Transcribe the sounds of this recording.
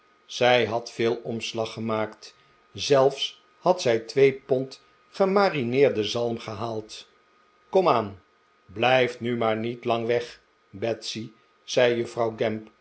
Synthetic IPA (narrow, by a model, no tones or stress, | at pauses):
z̥ɛjɦɑtfɪːlˠɔmslɑχəmaːkt | zɛlˠfs | hɑtsɛjtʋejpɔnt | χəmaːrinɪːɹdəzɑlˠmχəɦaːlˠt | kɔmaːn | blɛjftnymaːɹnitlɑŋʋɛχ | bɛtsi | z̥ɛjjəfrɑwɡɛmp